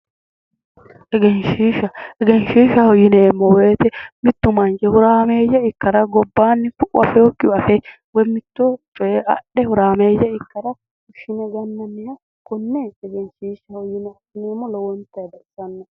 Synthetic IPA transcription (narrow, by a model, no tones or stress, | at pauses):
ʔɛɡɛnʃiːʃɐɛɡɛnʃiːʃɐhɔjɪneːmːɔwe̞ːt̪ɛmɪt̪ːʊmɐnd͡ʒɛhʊɾaːme̞ːjɐɪkːɐɾɐɡɔbːaːnːɪfʊʔʼʊ̰ɐfɛɔkːɪɐfɛ | wɔmɪt̪ːɔt͡ʃʼɔjɛʔɐ̰ɗɛhʊɾaːmeːjːɐɪkːɐɾɐ | kʊʃːɪnɛɡɐnːɐnːɪjɐ | kɔnːeːsɛɡɛnʃiːʃɐhɔjɪnɛɐsɪneːmːɔlɔwɔnt̪ːɐjɐd̪ɐɪsɐnːɐ